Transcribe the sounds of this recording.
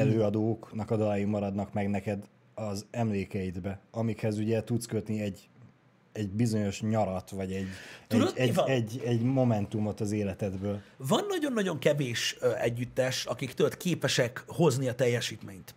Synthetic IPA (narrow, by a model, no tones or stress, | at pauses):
ɛløːɒd̪oːknɒkɒd̪ɒlajimːɒɾɒd̪nɒkmɛɡnɛkɛd̪ | ɒzɛmleːkɛjid̪bɛɒmikhɛzuɟɛt̪ut̪skøt̪niɛɟ | ɛɟbizo̞ɲo̞ʃɲɒɾɒt̪ʋɒɟɛɟ̪ːud̪ɛɛɟːɛɟmo̞mɛnt̪umo̞t̪ɒzeːlɛt̪ɛd̪bøːlvɒnːɒɟo̞nːɒɟo̞ŋkɛveːʃɛ̰ɟːyt̪ːɛʃɒ̰kikt̪ølkeːpɛʃɛkho̞zniɒt̪ɛjːɛʃiːt̪meːɲt̪